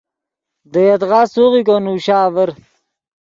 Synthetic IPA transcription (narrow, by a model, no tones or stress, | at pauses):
d̪əjɐt̪ʁaːsuʁikonuːɕaːvəɾ